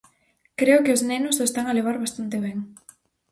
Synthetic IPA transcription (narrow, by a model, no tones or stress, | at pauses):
kɾeʊkeosnenʊsest̪aŋaleβ̞aɾβast̪ant̪eβ̞eŋ